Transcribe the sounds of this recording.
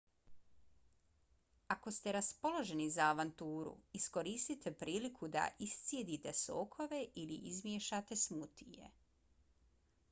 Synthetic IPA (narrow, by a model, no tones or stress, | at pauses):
ako̞st̪eɾaspo̞lo̞ʒe̞nizaːʋant̪uːɾṵisko̞ɾist̪it̪e̞pɾʔiːlikʰud̪a̰ʔist̪sjed̪it̪e̞so̞ːkʰo̞ʋe̞ʔilḭʔizmjeʃat̪e̞smut̪ije̞̰